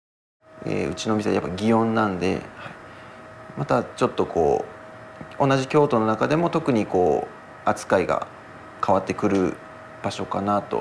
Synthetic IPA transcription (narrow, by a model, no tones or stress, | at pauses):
ḛːɯ̟t͡ɕino̞mʲis̬ea̰japːaɡʲiõ̞nːãnd̪e̞̰hai | mat̪at͡ɕo̞t̪ːo̞ko̞̰ː | o̞naʑikʲo̞ːt̪o̞no̞nakad̪e̞mo̞t̪o̞kɯ̟ɲ̟iko̞ː | at͡sɨ̥kaiɡa̰ | kʰaβat̪ːe̞kɯ̟ɾɯ̟ | b̥aɕo̞kanat̪o̰